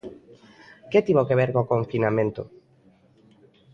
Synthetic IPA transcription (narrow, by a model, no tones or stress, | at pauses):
ket̪iβokeβeɾkokoɱfinamẽnt̪o̰